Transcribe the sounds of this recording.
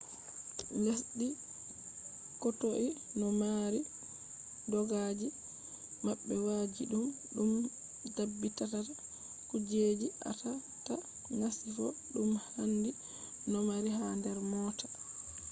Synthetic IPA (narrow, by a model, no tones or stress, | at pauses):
ndasɗi | kɔtoʔinɔmaɾi | dɔɡad͡ʒi | maɓːɛwad͡ʒḭɗumɗum | dabːitatata | kud͡ʒed͡ʒiʔa̰ta | ta | ŋasifɔɗumhandi | nɔmaɾiɦandɛɾmɔːtḁ